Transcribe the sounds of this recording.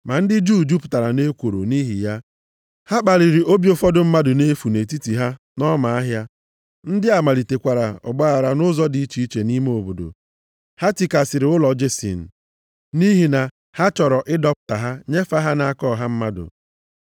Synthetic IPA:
ma˨n̩˦dɪ˦d͡ʒuː˦d͡ʒu˦pʊ̥˨ta˨ɾa˨ne˦kʷo˨ɾo̰˨ni˦ɦḭ˨ja˦ | ha˦k͡pa˨ɾi˨ɾi˨ʔo˦bjo˨fɔ˦dʊ˨m̩˦ma˦dʊ˨ne˦fu˨ne˨ti˦ti˨ɦa˦ | nɔ˦ma˨a˦ɦja˦ | n̩˦dɪ˦a˨ma˨li˨te˨kʷa˨ɾa˨ɔ̰˨ɡ͡ba˦a˨ɾa˨nʊ˦zɔ˦dɪ˨˦i˦t͡ʃi˦i˦t͡ʃe˨ni˦me˦o˨bo˨do̰˨ | ha˦ti˨ka˨sɪ˨ɾɪ˨˦ʊ˦lɔ˨d͡ʒe˦sḭ˨n̩˨ | ni˦ɦi˨na˨ | ha˦t͡ʃɔ˨ɾɔ˨ʔɪ˦dɔ˦pʊ̥˨ta˨ɦa˦ɲe˦fa˦ɦa˦na˨a˦kɔ˦˨ɦa˦m̩˦ma˦dʊ̰˨

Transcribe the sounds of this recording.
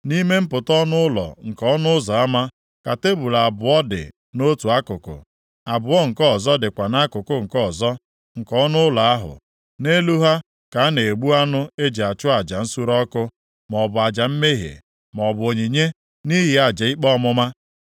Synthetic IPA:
ni˦me˦m̩˦pʊ˨tɔ˦nʊ˦ʊ˦lɔ̰˨ŋ̩˨kɔ˨˦nʊ˦ʊ˦zɔ˨a˦ma˦ | ka˨te˦bu˨la˨bʊ˨ɔ˦dɪ̰˨ | no˦tu˨a˦kʊ˨kʊ̰˨ | a˨bʊ˨ɔ˦ŋ̩˨kɔ˦˨zɔ˦dɪ˨kʷa˨na˦kʊ˨kʊ˦ŋ̩˨kɔ˦˨zɔ˦ | ŋ̩˨kɔ˦nʊ˦ʊ˦la˨a˦ɦʊ̰˨ | ne˦lu˦ɦa˦ | ka˨a˦ne˨ɡ͡bu˦a˦nʊ˦e˦d͡ʒe˨a˨t͡ʃʊ˦a˨d͡ʒa˨n̩˦su˦ɾɔ˦kʊ˦ | mɔ˨bʊ˨a˨d͡ʒa˨m̩˦me˦ɦjḛ˨ | m˨ɔ˨bʊ˨o˨ɲi˨ɲe˦ | ni˦ɦɪ˨a˨d͡ʒa˨˦i˦k͡pɔ˦mʊ˦ma˦

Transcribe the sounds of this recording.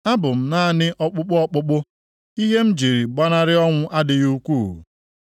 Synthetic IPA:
a˦bʊ˨m̩˦na˦˨nɪ˦ʔɔ˦k͡pʊ˦k͡pʊ˦ɔ˦k͡pʊ˦k͡pʊ˦ | i˦ɦe˦m̩˦d͡ʒi˨ɾi˨ɡ͡ba˦na˦ɾɪ˦ɔ˦ŋʷʊ˦ʔa˦dɪ˨ju˦kʷu˦˨

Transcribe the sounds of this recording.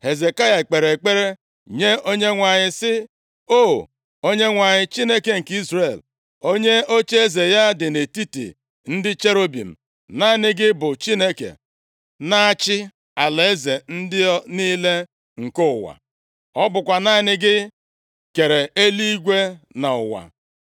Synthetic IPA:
he˨ze˨ka˦ja˨k͡pe˨ɾe˨k͡pe˦ɾe˦ | ɲe˦o˦ɲe˦ŋʷa˨ɲɪ˨sɪ˦ | o˦˨ | o˦ɲe˦ŋʷa˨ɲɪ˨t͡ʃi˦ne˦ke˨ŋ̩˨ki˦zre˨l | o˦ɲe˦o˦t͡ʃe˦e˦ze˨ja˦dɪ˨ne˨ti˦tḭ˨ | n̩˦dɪ˦t͡ʃe˦ɾo˦bḭ˨m̩˨ | na˦˨nɪ˦ɡɪ˦bʊ˨t͡ʃi˦ne˦kḛ˨ | na˦a˦t͡ʃɪ˦ | a˨le˨e˦ze˨n̩˦dɪ˦niː˦le˦ | ŋ̩˨kʊ˦ʊ˨wa̰˨ | ɔ˦bʊ˨kʷa˨na˦nɪ˦ɡɪ˦ | ke˨ɾe˨e˦li˦i˦ɡʷe˦na˨ʊ̰˨wa̰˨

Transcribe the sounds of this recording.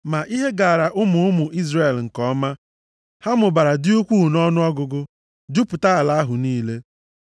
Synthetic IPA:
ma˨ʔi˦ɦe˦ɡa˨a˨ɾa˨ʔʊ˦mʊ˨ʊ˦mʊ˨ʔi˦zre˨e˨lŋ̩˨kɔ˦ma˦ | ha˦mʊ˨ba˨ɾa˨dɪ˦u˦kʷu˦˨nɔ˦nʊ˦ɔ˦ɡʊ˨ɡʊ˦ | dʊ˦pʊ˨ta˦a˨la˦a˦ɦʊ˨niː˦le˦

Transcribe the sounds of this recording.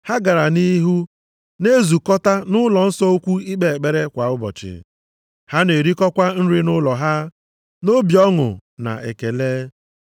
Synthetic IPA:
ha˦ɡa˨ɾa˨ni˦ɦu˦ | ne˦zu˨kɔ˦ta˦nʊ˦lɔ˨n̩˦sɔ˦o˦kʷu˦i˦k͡pe˨e˨k͡pe˦ɾe˦kʷa˨ʊ˦bɔ̰˨t͡ʃɪ̰˨ | ha˦ne˨ɾi˦kɔ˦kʷa˦n̩˦ɾɪ˦nʊ˦lɔ˨ɦa˦ | no˦bjɔ˦ŋʊ̰˨na̰˨ʔḛ˨ke˨leː˦

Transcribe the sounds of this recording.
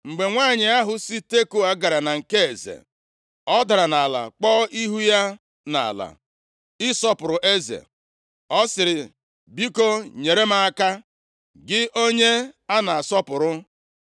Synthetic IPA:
ŋ͡m̩˨ɡ͡be˨ŋʷaː˦˨ɲɪ˨a˦ɦʊ˨si˦te˦ko˦a˨ɡa˨ɾa˨na˨ŋ̩˨ke˦e˨zḛ˨ | ɔ˦da˨ɾa˨na˨la̰˨k͡pɔː˦ʔi˦ɦu˦ja˦ | na̰˨a̰˨la̰˨ | ɪ˦sɔ˦pʊ˨ɾʊ˨ʔe˦zḛ˨ | ɔ˦sɪ˨ɾɪ˨ | bi˦ko˦ɲe˨ɾe˦ma˦a˦ka˦ | ɡɪ˦ʔo˦ɲe˦a˦na˨a˨sɔ˦pʊ˨ɾʊ˦

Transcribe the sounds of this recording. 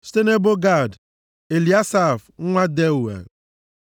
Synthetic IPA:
ste˦ne˦bo˦ɡa˦˨d | e˨li˨a˦sa˦˨f̩˦ŋʷa˦de˦u˨wḛ˨

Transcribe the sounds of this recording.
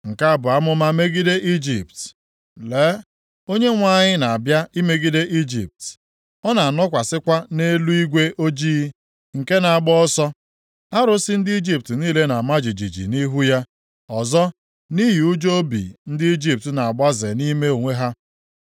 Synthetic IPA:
ŋ̩˨ka˦a˦bʊ˨a˦mʊ˦ma˦me˦ɡi˦de˦ʔi˦d͡ʒi˨p̚t | le˦ | o˦ɲe˦ŋʷa˦˨ɲɪ˦na˨a˨bja˦ʔi˦me˦ɡi˦de˦ʔi˦d͡ʒḭ˨p̚t | ɔ˦na˨a˨nɔ˦kʷa˨sɪ˦kʷa˦ne˦lu˦i˦ɡʷe˦ʔo˦d͡ʒiː˦ | ŋ̩˨ke˦na˨a˨ɡ͡bɔ˦sɔ˦ | a˦ɾʊ˦sɪ˦n̩˦dɪ˦i˦d͡ʒi˦p̚tniː˦le˦na˨ma˦d͡ʒi˨d͡ʒḭ˨d͡ʒḭ˨ni˦ɦu˦ja˦ | ɔ˨zɔ˦ | ni˦ɦi˨u˦d͡ʒo˦bḭ˨n̩˦dɪ˦i˦d͡ʒi˦p̚tna˨a˨ɡ͡ba˦ze˨ni˦me˦o˨ŋʷe˦ɦa˦

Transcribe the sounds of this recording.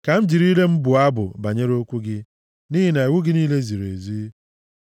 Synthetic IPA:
ka˨m̩˦d͡ʒi˨ɾi˦le˦m̩˦bʊ˨a˦bʊ̰˨ba˨ɲe˦ɾo˦kʷu˦ɡɪ˦ | ni˦ɦi˦na˨i˨wu˦ɡɪ˦niː˦le˦zi˨ɾe˨zi˦

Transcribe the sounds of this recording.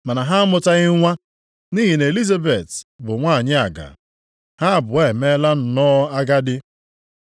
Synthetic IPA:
ma˨na˨ɦa˦mʊ˦ta˦ɣɪ˦ŋʷa˦ | ni˦ɦi˨ne˨li˦za˦be˨tbʊ˨ŋʷa˦˨ɲɪ˦a˨ɡa̰˨ | ha˦˨bʊ˨e˦˨me˦la˦n̩˨nɔ˦a˦ɡa˦dɪ˦

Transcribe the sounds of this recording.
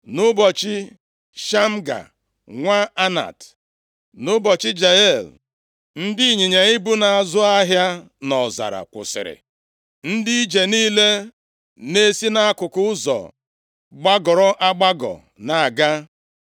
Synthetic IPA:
nʊ˦bɔ˨t͡ʃɪ˦ | ʃa˦m̩˦ɡa̰˨ | ŋʷa˦a˦na̰˨t | nʊ˦bɔ˨t͡ʃɪ˦d͡ʒa˨e˦˨l | n̩˦dɪ˦˨ɲi˨ɲe˨i˦bu˦na˨a˨zʊ˦a˦ɦja˦ | nɔ˨za̰˨ɾa̰˨kʷʊ̰˨sɪ̰˨ɾɪ̰˨ | n̩˦di˦i˦d͡ʒe˨niː˦le˦ | ne˦si˦na˦a˦kʊ˨kʊ˦zɔ̰˨ | ɡ͡ba˦ɡɔ˨ɾɔ˦ʔa˦ɡ͡ba˦ɡɔ̰˨ | na˨a˨ɡa˦

